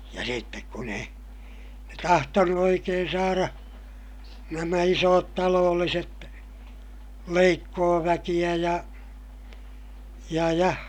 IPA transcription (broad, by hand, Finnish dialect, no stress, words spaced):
jɑ sitːek kun ei ne tɑhtonu oikeːn sɑːrɑ næmæ isoːt tɑloːlːiset leikːoːʋækij̆æ jɑ jɑ jɑ